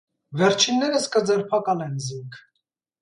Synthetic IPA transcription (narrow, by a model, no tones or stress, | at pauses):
vɛɾt͡ʃʰinːɛɾəskəd͡zɛɾpʰɑkɑlɛnziŋkʰ